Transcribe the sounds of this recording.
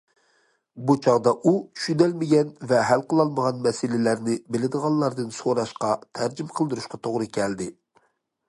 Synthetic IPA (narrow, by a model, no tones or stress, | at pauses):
but͡ʃʰɑʁd̪ɑʔu̥ʃynɛlmɪɡʲɛnvɛɦælqəlˠɑlˠməʁɑnmɛsɪlɪlæɾnɪbɪlɪd̪əʁɑnlˠlːˠɑɾd̪ɨnsoɾɑʃqɑt̪ʰæɾd͡ʒimqʰəlˠd̪ɨɾuʃqɑt̪ʰoʁɾɨkʲʰɛld̪ɪ